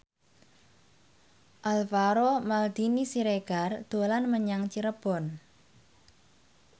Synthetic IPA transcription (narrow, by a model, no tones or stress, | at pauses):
ʔalfaɾomald̪̥inisiɾeɡ̥a̤rd̪̥o̤lanməɲaŋt͡ʃiɾəb̥ɔ̤n